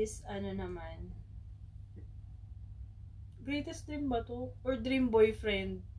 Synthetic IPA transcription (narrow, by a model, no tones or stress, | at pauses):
sɐnonɐman | bɾiːt̪ɛsd̪ɾimbɐt̪oʔɔɹd̪ɾimbojfɾɛnd̪̚